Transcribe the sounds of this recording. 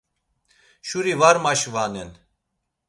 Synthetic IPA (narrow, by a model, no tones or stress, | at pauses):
ʃuɾivaɾmaʃvanɛn